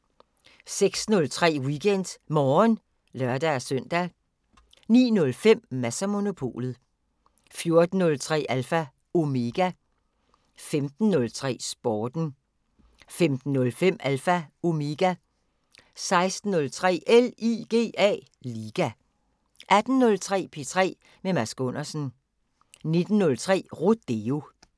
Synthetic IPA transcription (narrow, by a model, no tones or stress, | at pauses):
seɡ̥snɔ̽lt͡sʰʁɛ̰ːwiɡ̥en̰d̥mɒːn | lɶɐd̥æsœn̰d̥æ | nḭːnɔ̽lfem̰mæsæmo̝no̝pʰo̝̰ːlð̞̩ˠ | fjo̝ɐd̥n̩ːɔ̽lt͡sʰʁɛ̰ːʔælfæ | o̝me̝ɡ̥æ | femd̥n̩ːɔ̽lt͡sʰʁɛ̰ːsb̥ɒːd̥n̩ | femd̥n̩ːɔ̽lfem̰ælfæo̝meɡ̥æ | sɑ̈ɪsd̥n̩ːɔ̽lt͡sʰʁɛ̰ːʔeliɡ̥e̝̰ːɛ̰ː | liːɡ̥æ | ʔæd̥n̩ːɔ̽lt͡sʰʁɛ̰ːpʰe̝t͡sʰʁɛ̰ː | memæsɡ̥ɔ̽n̰ɐsən̩ | ne̝d̥n̩ːɔ̽lt͡sʰʁɛ̰ːʁod̥e̝o̝